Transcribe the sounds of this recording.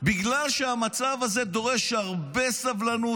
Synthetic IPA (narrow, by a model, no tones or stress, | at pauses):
biɡlalʃeamat͡savaze̞d̪o̞ʁe̞ʃhaʁbe̞savlanu